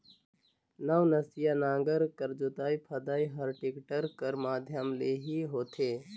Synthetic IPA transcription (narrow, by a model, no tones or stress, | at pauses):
naʋnəsijaːnãːŋɡəɾkəɾd͡ʒot̪aːipʰəd̪aːiɦəɾʈɪkʈəɾkəɾmaːd̪ʱjəmleːɦiːɦoːt̪ʰeː